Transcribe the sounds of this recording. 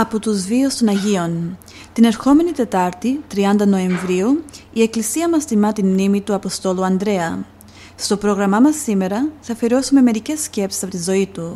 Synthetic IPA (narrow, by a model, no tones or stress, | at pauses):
ɐpot̪uzviost̪o̞nɐʝio̞n | t̪ine̞ɾxo̞me̞nit̪e̞t̪ɐɾt̪it̪ɾiɐnd̪ɐno̞e̞ɱvɾiuie̞klisiɐmɐst̪imɐt̪inmnimit̪uɐpo̞st̪o̞luɐnd̪ɾe̞ɐ | st̪o̞pɾo̞ɣɾɐmɐmɐsːime̞ɾɐθɐfeɾo̞sume̞me̞ɾice̞sce̞psi̥sɐpo̞t̪izo̞it̪u